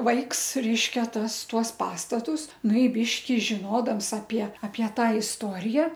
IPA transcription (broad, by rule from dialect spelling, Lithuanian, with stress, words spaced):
ˈʋɐɪks ˈrʲɛɪʃʲkʲɛ ˈtɐs ˈtuɔs ˈpɑːstɐtʊs ˈnʊ ɪ ˈbʲiːʃʲkʲɪ ʒʲɪˈnoːdɐms ɐpʲiɛ ɐpʲiɛ ˈtɑː ɪsˈtoːrʲɪjɛ